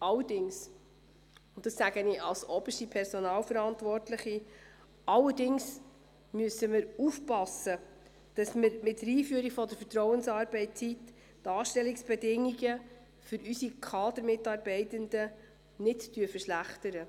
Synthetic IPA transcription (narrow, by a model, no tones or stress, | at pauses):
ʔɑlːədɪŋs | ʊntd̥ɑsːæɡəniʔɑlsɔb̥əʃtipʰɛɾsɔnɑːlfəɾɑntʋɔrtləχi | ɑlːədɪŋs | myəsəmɪɾufpɑsə | d̥ɑsmɪɾmɪtɾiːfyəɾikfɔd̪əɾfətɾɔʊwənsɑːɾb̥ɛɪt̚t͡sit | tɑːʃtɛliksb̥ɛdɪŋːiɡə | fʏɾysikʰχɑːd̪əɾmɪtɑːɾbɛɪtənd̪ə | nɪttyəfəʃlæχtəɾə